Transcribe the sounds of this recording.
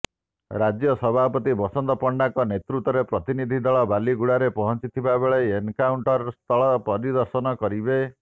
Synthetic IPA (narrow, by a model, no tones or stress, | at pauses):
ɾad͡ʒjɔsɔbʱapɔt̪ibɔsɔnd̪ɔpɔɳɖaŋkɔnet̪ɾut̪ɔɾepɾɔt̪inid̪ʱid̪ɔɭɔbaliɡuɽaɾepɔɦɔnt͡ʃit̪ʰibabeɭeenkawɳʈɔɾst̪ʰɔɭɔpɔɾid̪ɔɾsɔnɔkɔɾibe